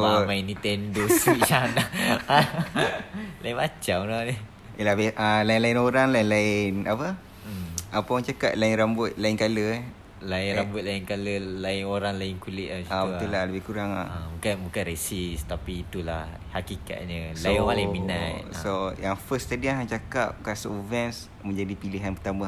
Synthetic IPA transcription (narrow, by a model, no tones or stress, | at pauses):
mainit̪ɛndosiana | lainbat͡ʃamnani | ilabeʔalainlainoɾaŋlainlaɪnapə | ʔapawãŋt͡ʃakat̪̚laɪnrambʊt̪̚laɪnkalə | lainɾambʊt̪̚laɪnkaləlaɪnoɾaŋlaɪnkulɪʔ̪̚asabəulahləbɪhkuɾaŋabukanbukanɾesist̪apiːt̪ulah | hakika̰t̪̚ɲəlamalɪminat̪sojaŋfəst̪adianaŋt͡ʃakap̚kasoʔvɛns | mə̃ɲd͡ʒadipiliɦanpət̪ama